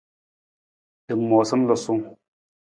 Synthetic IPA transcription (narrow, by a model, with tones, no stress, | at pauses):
tɨ˨mːɔ˨sə˦m˦lɔ˨su˦ŋ